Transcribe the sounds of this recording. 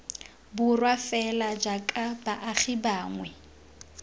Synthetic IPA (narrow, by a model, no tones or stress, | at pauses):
bʊrwafɛlad͡ʒakʼabaʔaχibaːŋwɛ